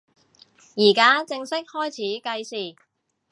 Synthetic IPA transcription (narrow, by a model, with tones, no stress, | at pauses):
jiː˨˩kaː˥t͡sɪ˧ŋsɪ˥k̚hɔː˥jt͡sʰiː˨˥kɐ˧jsiː˨˩